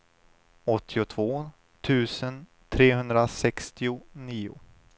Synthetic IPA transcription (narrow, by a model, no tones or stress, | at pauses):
ɔt̪ʰːɪʊt̪ʰv̥oː | t̪ʰʉ̟ːsən | t̪ʰɾeːɦɵnd̪ɾasɛkst̪ɪʊniːʊ̰